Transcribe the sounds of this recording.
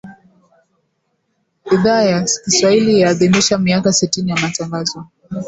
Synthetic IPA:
iðaːjakiswahiliaðɛndɛʃamiakasɛtinijamataŋɡazɔ

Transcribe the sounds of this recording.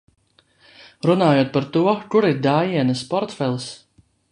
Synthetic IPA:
ɾunaːjuɔt̪̚paɾt̪uɔkuɾiɾd̪aːjiɛnɐspɔɾt̪fɛlˠs

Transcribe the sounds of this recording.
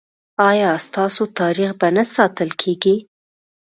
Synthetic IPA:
ɑjɑst̪ɑsot̪ɑɾixbanəsɑt̪əlkʰeɡi

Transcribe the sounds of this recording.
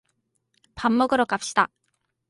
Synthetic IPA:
pʰãmːokɯ̟ɾokapɕi̥t̪a

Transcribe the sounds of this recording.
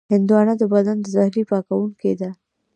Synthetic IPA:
hɪnd̪uwɑnad̪əbad̪and̪əzahɾipɑkawuŋked̪a

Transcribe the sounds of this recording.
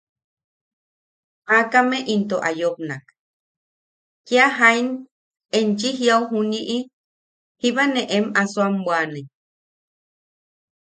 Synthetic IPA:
hakamẽʔint̪oʔajop̚nak̚ | kiaɦajn | ent͡ʃiɦiawɦuɲiʔi | hiβanẽʔemasuambwane

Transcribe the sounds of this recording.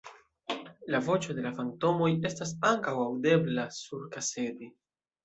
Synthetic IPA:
lavo̞t͡ʃo̞de̞lafaŋk̚to̞mo̞je̞stas̬aŋkawawde̞blasuɾkase̞di

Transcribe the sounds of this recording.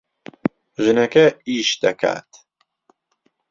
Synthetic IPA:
ʒɨnɐkɛiːʃd̪ɐkʰa̰ːt̪

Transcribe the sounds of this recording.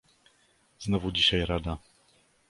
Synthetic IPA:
znɔvud͡ʑiɕajɾad̪a

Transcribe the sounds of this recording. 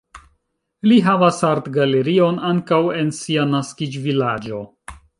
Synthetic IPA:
liɦavasaɾtɡale̞ɾio̞naŋkawe̞nsianaskid͡ʒvilad͡ʒo̞

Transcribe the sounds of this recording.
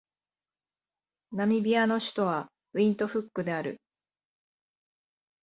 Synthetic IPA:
namʲibʲiano̞ɕi̥t̪o̞βa | ɯ̟ĩnt̪o̞ɸɯ̟kːɯ̟d̪e̞aɾɯ̟̰

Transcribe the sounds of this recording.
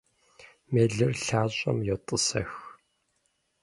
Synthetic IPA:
meːɮɨrɬaːɕʼɐ̰mjɛwtʼɨsɐx

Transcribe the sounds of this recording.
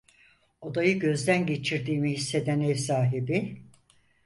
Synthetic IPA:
o̞d̪ajɯɟø̞zd̪ænɟe̞t͡ʃʰiɾd̪iːmihisːe̞d̪ænɛvzaːɦibi

